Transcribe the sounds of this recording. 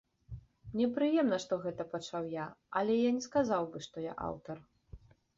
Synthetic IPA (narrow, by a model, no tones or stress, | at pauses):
mnʲɛpɾɨjɛmn̪ɐʂt̪ɔɣɛt̪ɐpat͡ʂawjaɐlʲɛjanʲɛskazawbɨʂt̪ɔja̰ʔa̰wt̪ɐr